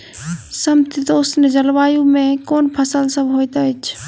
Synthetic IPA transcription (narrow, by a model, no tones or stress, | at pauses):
sɐmt̪it̪oːʊsned͡ʒəlʋaːjũmẽkoːnpʰəsəlsəbʱɦoːit̪ət͡ʃʰ